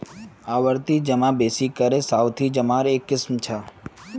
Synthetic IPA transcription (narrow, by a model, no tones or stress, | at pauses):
aʋəɾt̪id͡ʒəmãbesikəɾesawt̪ʰid͡ʒəmaɾekːɪsmt͡ʃʰa